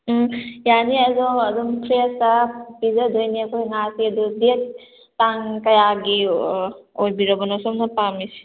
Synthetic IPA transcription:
janiɐzɔɐd̪ɔmpʰɾesapizɐdojniɐkʰojŋasiɐd̪udet | taŋkɐjaɡi | ojbiɾɐbɔnɔsɔmnapamisi̥

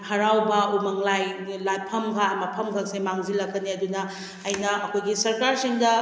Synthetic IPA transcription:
hɐɾawbɐumɐŋlajlapʰɐmkʰaɐmɐpʰɐmkʰak̚semaŋzilɐkːɐniɐdunɐː | jnɐɐkʰojɡisɐɾkaɾsiŋdɐ

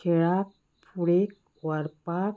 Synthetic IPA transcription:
eɭak̚ | puɽek̚ | ʋəɾpak

